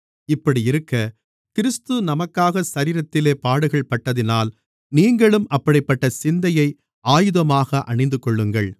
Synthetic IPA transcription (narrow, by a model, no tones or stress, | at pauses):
ɪpːɐɽiɪɾɯkːɐ | kɪɾɯst̪ɯnɐmɐkːaːɣɐsɐɾiːɾɐt̪ːɪleːpaːɽɯɣɐɭpɐʈːɐðɪnaːl | niːŋɡɐɭɯmʔɐpːɐɽɐɪpːɐʈːɐsɪnd̪ɐjɐɪ | aːjɯðɐmaːɣɐʔɐnɳɐɪnd̪ɯkɔɭːɯŋɡɐɭ